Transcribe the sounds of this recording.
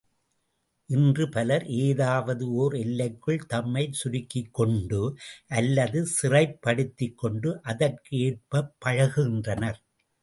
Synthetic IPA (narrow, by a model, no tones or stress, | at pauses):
ʔɪndrɯpɐlɐɾʔeːðaːʋɐðɯoːɾɛlːɐɪkːɯɭt̪ɐmːɐɪsʊɾɪkːɪkːɔɳɖɯʔɐlːɐðɯsɪrɐɪpːɐɽɯt̪ːɪkːɔɳɖɯʔɐðɐrkɯeːr̚pɐpːɐɻɐɣɪndrɐnɐɾ